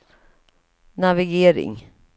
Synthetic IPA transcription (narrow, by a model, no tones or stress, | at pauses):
navɪɡeːɾɪ̰ŋ